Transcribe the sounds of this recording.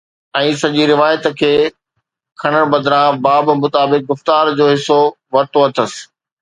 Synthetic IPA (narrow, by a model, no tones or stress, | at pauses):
ɛ̃ːsɐʄiɾɪʋaːjət̪kʰeː | kʰɐɽ̃əɽ̃bɐd̪ɾãbaːbmʊt̪aːbɪk̚ɡʊft̪aːɾd͡ʑoːɦɪso | ʋɐɾt̪oɐt̪ʰəsɪ̥̆